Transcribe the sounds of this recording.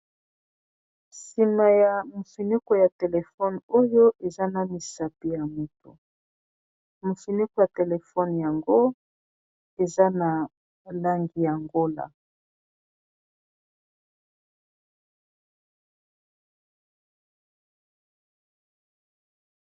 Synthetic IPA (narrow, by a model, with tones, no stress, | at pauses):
si˨ma˨ja˨mo˨si˨nu˦ko˨ja˨te˨le˨fɔ˦no˦jo˦ʔe˨za˦na˦mi˨sa˨pi˦ja˨mo˨to̰˨ | mo˨si˨ni˦ko˨ja˨te˨le˨fɔ˦nja˨ŋɡo˦ | e˨za˦na˨ | la˦ŋɡi˨ja˨ŋɡo˦la̰˨